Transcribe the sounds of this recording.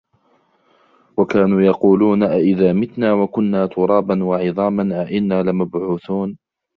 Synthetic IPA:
wakaːnuːjɑquːluːnʔaʔɪðaːmɪt̪naːwakʊnːaːt̪ʰʊɾˤɑːbanwɑʕɪðˤɑːmanʔaʔɪnːaːlɪmabʕuːθuːn

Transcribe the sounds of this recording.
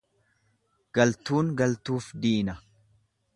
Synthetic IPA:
ɡ̥ɐlt̪uːŋɡɐlt̪uːfd̪iːnɐ

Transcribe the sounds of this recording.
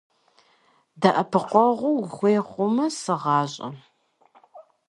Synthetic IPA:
dɐʔɐpʰɨqʷɔʁʷʊwxʷeːχʷʊmɐsɨʁɑːɕʼɐ̰

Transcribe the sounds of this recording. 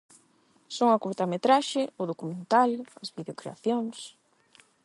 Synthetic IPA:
soŋɐkuɾt̪amet̪ɾaʃɪʊðokumẽnt̪alɐzβiðeokɾḛa̰θjoŋs

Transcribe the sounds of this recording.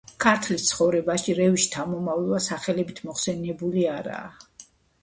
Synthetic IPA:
kʰaɾt̪ʰlist̪sʰχɔvɾɛbaʃiɾɛviʃt̪ʰamɔmavlˠvasaχɛlɛbit̪ʰmɔχsɛnɛbuliaɾa̰ː

